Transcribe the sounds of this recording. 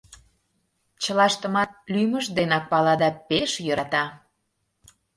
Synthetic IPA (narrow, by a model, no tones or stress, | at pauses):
t͡ɕəlɑʃt̪ə̆mɑt̪̚lyməʒd̪enɑk̚pɑlɑd̪ɑpeʃjəɾɑt̪ɑ